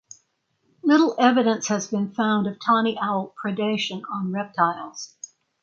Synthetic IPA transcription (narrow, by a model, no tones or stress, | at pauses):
lɪɾl̩ˠɛvɨɾɨ̃nshɨzbɨ̃nfãʊ̃ndʌv̥tʰɑñiʔæʊlˠpʰɹ̥ɨdeɪʃɨ̃nə̃nɹɛp̚tʰaɪlˠz̥